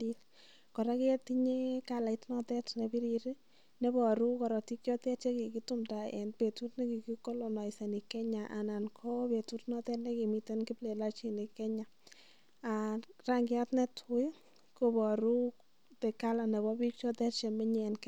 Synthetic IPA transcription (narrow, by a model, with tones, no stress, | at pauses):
i˦l | kɔ˨ɾa˦kːti˦ɲe˦ka˨la˨i˦tnɔ˦tɛ˦tnɛ˨bi˦ɾi˨ɾi˦ | nɛ˦bɔ˨ɾu˦kɔ˨ɾɔ˨ti˦kjɔ˦tɛ˦tt͡ʃe˦ki˨ki˦tʊ˦mta˨ɛ̰˨npe˨tu˦tnɛ˦ki˨ki˦ko˦lo˨nɔ˨ɪ˨sɛ˨ni˨kɛ˦ɲa˨ʔa˨na˨nkʰɔ˦pe˨tu˦tnɔ˦tɛ˦tnɛ˦ki˨mi˨te˦nkɪ˦ple˨la˦t͡ʃi˨nɪ˨kɛ˦ɲa˨ | a˨ra˦ŋɡɪ˦a˦tnɛ˦tʰʊ˨ɪ˦ | ko˨bɔ˨ɾu˦ | tɛ˨ka˦la˨nɛ˨bɔ˦bikt͡ʃɔ˦tɛ˦tt͡ʃɛ˨mɪ˦ɲɛ˨nk